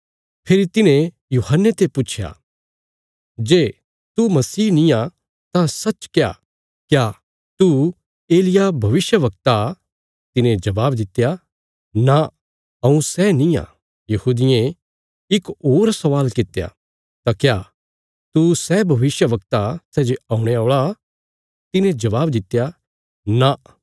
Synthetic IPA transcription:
pʰeɾit̪ɪnẽ | juːhənːet̪epʊt͡ʃʰja̰ | d͡ʒeː | t̪umɐsiːnĩjã | t̪ãsɐt͡ʃkja̰ | kja | t̪u | eːlɪjabʱɐʋɪʃjəʋɐk̚t̪a | t̪ɪnẽd͡ʒɐbaːbd̪ɪt̪eja | na | ɐũsɛnĩã̰ | jɐhuːd̪ɪẽ | ɪkoːɾsɐʋaːlkɪt̪eja̰ | t̪akja | t̪usɛbʱɐʋɪsjəʋɐk̚t̪asɛːd͡ʒeaũɽ̃eoːɭa | t̪ɪnẽd͡ʒɐʋaːbd̪ɪt̪ːja | na

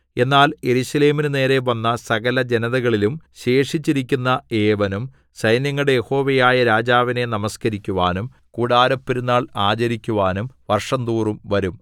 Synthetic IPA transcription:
e̞nːaːlje̞ɾuɕɐle̞ːminɨne̞ːɾe̞ʋɐnːɐsɐɣɐlɐd͡ʑe̞nɐðɐɣɐɭilumɕe̞ːʂit͡ɕːiɾikʲːunːɐeːʋɐnum | sɐjnjɐŋːɐɭɽejeho̞ːʋejaːjɐɾaːd͡ʑaːʋine̞nɐmɐskɐɾikʲːuʋaːnum | kuːɽaːɾɐpːiɾunːaːɭaːt͡ɕɐɾikʲːuʋaːnumʋɐrʂɐnd̪uːrumʋɐɾum

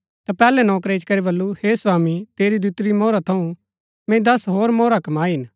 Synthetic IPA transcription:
t̪apɛːlɛnɔːk̬ɾeɪt͡ʃkɐɾebɐlːuheːswaːmit̪eːɾid̪ut̪ɾimɔːɾat̪ʰɐũ | mɛ̃d̪ɐsɦoːɾmɔːɾakɐmaːiɦɪn

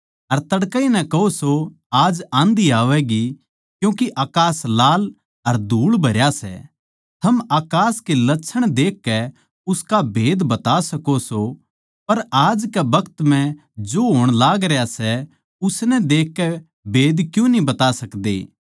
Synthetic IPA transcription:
ɐɾt̪ɐɽkəinɛ̃kɐɦoso | aːd͡ʒãːnd̪iaːʋɛɡi | kjũːkiʔaːkaːslaːl | ɐɾd̪ʱuːɭbʱɐɾjasɛ̰ | t̪ʰɐmaːkaːskelɐtːʃʰəɽ̃d̪eːkːɛ | ʊskabʱeːd̪bɐt̪asɐkoso | pɐɾaːd͡ʒkɛbɐkt̪m̤ɛ̃ | d͡ʒoːɦoːɽ̃laːɡɾejasɛ | ʊsnɛd̪eːkːɛ | bʱeːd̪kjũnĩbɐt̪asɐkd̪ḛː

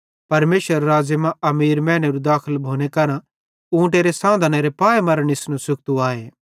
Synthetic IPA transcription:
pɐɾmeːʃʋəɾːaːzəmãɐmiːɾmɛ̃ːñeɾud̪aːkʰəlbʱoːñekɐɾã | ũːʈ̬eɾesãːd̪ʱəneɾepaːemɐɾəɽ̃ɪsnũsʊk̚t̪uaːeː

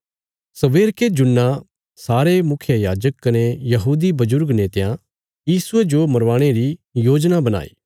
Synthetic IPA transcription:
sɐʋeːɾked͡ʒʊnːa | saːɾemʊkʰjəjaːd͡ʒəkːɐnejɐɦuːd̪ibɐzʊɾɡneːt̪ejã | jiːsʊed͡ʒomɐɾʋaːɽ̃eɾijoːd͡ʒnabɐna̰ːḭː

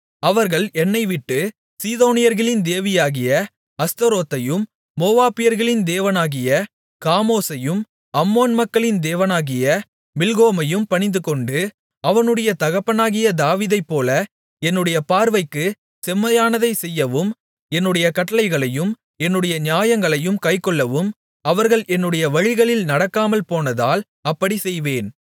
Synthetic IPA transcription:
ɐʋɐɾɣɐɭɛnːɐɪʋɪʈːɯ | siːðoːnɪjɐɾɣɐɭɪnd̪eːʋɪjaːɣɪjɐ | ɐst̪ɐɾoːt̪ːɐjɯmː | oːʋaːpɪjɐɾɣɐɭɪnd̪eːʋɐnaːɣɪjɐ | kaːmoːsɐjɯm | ɐmːoːnmɐkːɐɭɪnd̪eːʋɐnaːɣɪjɐ | mɪlɣoːmɐjɯmpɐɳɪnd̪ɯkɔɳɖɯ | ɐʋɐnɯɽɐjɐt̪ɐɣɐpːɐnaːɣɪjɐd̪aːʋiːðɐɪpːoːlɐ | ɛnːɯɽɐjɐpaːɾʋɐɪkːɯ | sɛmːɐjaːnɐðɐɪsɛjːɐʋɯm | ɛnːɯɽɐjɐkɐʈːɐlɐɪɣɐɭɐjɯm | ɛnːɯɽɐjɐɲjaːjɐŋɡɐɭɐjɯmkɐɪkːɔɭːɐʋɯm | ɐʋɐɾɣɐɭʔɛnːɯɽɐjɐʋɐɻɪɣɐɭɪlnɐɽɐkːaːmɐlpoːnɐðaːl | ɐpːɐɽisɛjʋeːn

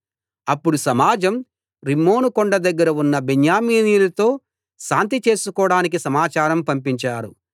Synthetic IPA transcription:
ɐpːuɽusɐmaːd͡ʒɐm | ɾimːo̞ːnukɔɳɖɐd̪ɐɡːɐɾɐunːɐbenjaːmiːniːlɐt̪o̞ː | ʃaːnt̪̬it͡ʃe̞ːsukɔːɽaːnik̬isɐmaːt͡ʃaːɾɐmpɐmpiɲt͡ʃaːɾṵ

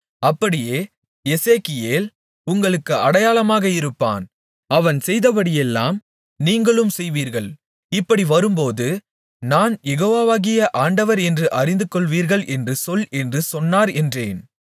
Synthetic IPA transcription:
ɐpːɐɽɪjeː | jɛseːkɪjeːl | ʊŋɡɐɭɯkːɯʔɐɽɐjaːlɐmaːɣɐɪɾɯpːa̰ːn | ɐʋɐnsɛjðɐpɐɽɪjɛlːa̰ːm | niːŋɡɐɭɯmsɛjʋiːɾɣɐɭ | ɪpːɐɽiʋɐɾɯmpoːðɯ | naːnjɛɣoːʋaːʋaːɣɪjɐʔaːɳɖɐʋɐɾɛndrɯʔɐɾɪnd̪ɯkɔɭʋiːɾɣɐɭʔɛndrɯsɔlɛndrɯsɔnːaːɾɛndreːn

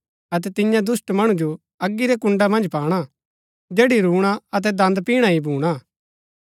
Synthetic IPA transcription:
ɐt̪̬ɛt̪ɪjãd̪ʊsʈmɐɽ̃ũd͡ʒo | ɐɡːiɾɛkʊ̃ɳɖamɐ̃nd͡ʒpaːɽ̃a | d͡ʒeːɽiɾuːɽ̃aɐt̪̬ɛd̪ɐ̃nd̪piːɽ̃aibʱuːɽ̃a

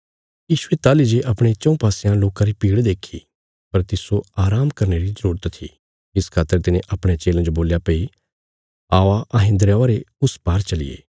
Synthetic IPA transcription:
jiːʃʊet̪aːlid͡ʒeʔɐpɽ̃et͡ʃɐ̃ũpaːsejãloːkãɾipiːɽd̪eːkʰi | pɐɾt̪ɪsoaːɾaːmkɐɾneɾizəɾuːɾət̪t̪ʰːḭ | ɪskʰaːt̪ːəɾt̪ɪnẽʔɐpɽ̃et͡ʃeːlãd͡ʒoboːljapei | aːʋaʔɐɦɪ̃nd̪ɾjãːaɾeʊspaːɾt͡ʃɐlɪ̰jḛː

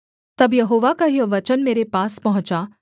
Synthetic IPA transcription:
t̪ɐbjɐɦoːʋakaɦijɐʋɐt͡ʃənmeːɾepaːspɐɦʊ̃t͡ʃa

